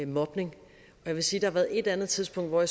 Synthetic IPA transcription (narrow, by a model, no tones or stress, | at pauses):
mɒ̽b̥ne̝ŋ | ɒ̽jɑʋe̝siːd̥ɑɑ̈ʋæːɐð̩ˠe̝d̥ænð̞̩ˠt͡sʰiðˠsb̥ɔ̽ŋ̰d̥ʋɒ̰ja